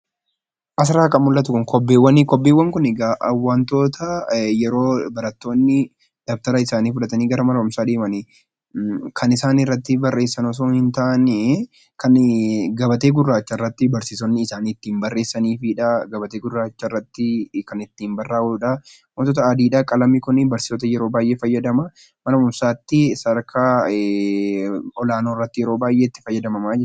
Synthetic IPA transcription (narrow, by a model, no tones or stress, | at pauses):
ʔɐs̬ɾaːkɐmːʊlːɐt̪ʊkʊŋkɔbːeːwːɐnikɔbːeːwːɐŋkʊnɪɡaʔɐwːɐnt̪o̞ːt̪ɐjɛɾo̞ːbɐɾɐt̪ːo̞ːnːɪ | d̪̥ɐf̚t̪ɐɾɐɪsaːniːfʊᶑɐt̪ɐniːɡɐɾɐmɐɾɐmsaːd̪eːmɐnɛ | kʰɐnɪsaːnɪrːɐt̪ːɪbɐrːe̞ːsːɐnɔs̬oːnhɪnt̪ɐʔɐn | kɐnɡɐbɐt̪e̞ːɡʊrːaːt͡ʃːɐrːɐt̪ːɪbɐɾsɪsɔnːɪːsaːnɪt̪ːiːmbɐrːe̞ːsːɐniːfɪᶑɐɡɐbɐt̪e̞ːɡʊrːaːt͡ʃːɐrːɐt̪ːɪkɐnɪt̪ːiːmbɐrːaːʊᶑɐ | moːt̪ɔt̪̬ɐaːd̪iːᶑakʼɐlɐmɪkʊnɪbɐɾsɪ̥sɔt̪ɐjɛɾo̞ːbaːjʔe̞ːfɐjːɐd̪ɐmɐ | mɐnɐʊmsaːt̪ːɪsɐɾkʰaː | ɔlaːnoːɪrːɐt̪ːɪjɛɾo̞ːbaːjʔeːɪt̪ːɪ̥fɐjːɐd̪ɐmɐmaːd͡ʒɛ